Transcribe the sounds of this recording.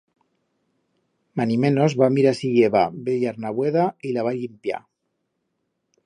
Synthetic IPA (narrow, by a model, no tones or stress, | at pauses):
manimenozβamiɾasiʝeβabeʎaɾnaβweðailaβaʎimpja̰